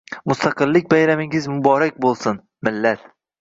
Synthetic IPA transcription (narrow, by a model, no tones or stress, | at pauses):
mʊst̪ʰaqɨlːɪk̚ʲbajɾamɪŋɪzmʊbɒɾak̚ʲbolˠsʊn | mɪlːat̪